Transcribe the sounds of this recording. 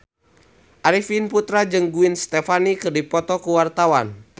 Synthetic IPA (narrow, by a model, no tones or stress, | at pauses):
ʔaɾifinput̪ɾad͡ʒɨŋɡuinst̪ɛfanikɨrdipɔt̪ɔkuwart̪awan